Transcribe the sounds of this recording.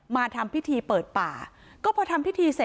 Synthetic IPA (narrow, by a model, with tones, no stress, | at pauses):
maː˧t̪ʰa˧mpʰi˦˥t̪ʰiː˧pɤː˨˩t̪̚pa̰ː˨˩ | kɔː˥˩pʰɔː˧t̪ʰa˧mpʰi˥t̪ʰiː˧se˨˩